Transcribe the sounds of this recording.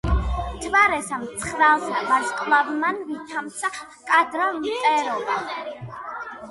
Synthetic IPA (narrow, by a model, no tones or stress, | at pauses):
d͡ʒvaɾɛsamt̪sʰχɾalsvaskʼlavmanvit̪ʰamt̪sʰa | kʼad̪ɾavmʼɛɾɔba